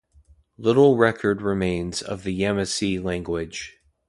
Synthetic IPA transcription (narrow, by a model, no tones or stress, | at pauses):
lɪɾl̩ˠɹɛkʰə˞d̚ɹɨmẽɪ̃nzʌ̰vðɨɛmɨsilæ̃ŋɡwɪd̥ʒ̥